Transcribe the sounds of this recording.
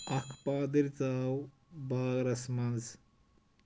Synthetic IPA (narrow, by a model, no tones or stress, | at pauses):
ɐkʰpaːd̪iɾt͡saːw | baːɡɾɐsmɐnz